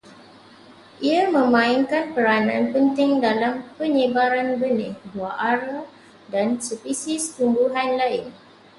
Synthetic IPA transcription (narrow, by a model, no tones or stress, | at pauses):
ʔiamə̃mãɪŋkanpəɾanãnpənt̪ɪŋdalampəɲəbaɾanbənɪhbuaʔaɾa | dansəpisɪst̪umbuɦanlaɪn